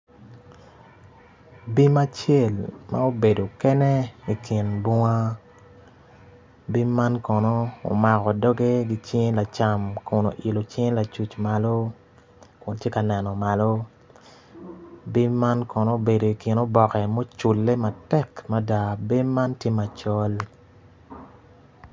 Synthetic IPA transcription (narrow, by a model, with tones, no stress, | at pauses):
bi˦ma˦t͡ʃe˦˨lmʔa̰˦o˦be˨do˨kɛ˦nɛ˦i˨kʰɪ˨nbɔ˦ŋa˦ | bi˦mːa˦nkɔ˨nɔ˦o̰˨ma˨kɔ˨dɔ˦ɡe˦ɡi˦t͡ʃe˦ŋ˦la˨t͡ʃa˨mkʊ˨no̰˨ʔi˨lo˨t͡ʃe˦ŋ˦la˨t͡ʃu˨t͡ʃma˨lo˦ | kʊ˨ntje˦ka˨nɛ˨nɔ˨ma˨lo˦ | bi˦mːa˦nkɔ˨nɔ˦o˨be˨do˨i˨kɪ˨no˦bɔ˨kɛ˨mo˦t͡ʃu˨lːe˦ma˨tɛ˦kma˦da˨be˦mːa˦ntje˦ma˨t͡ʃɔ˦l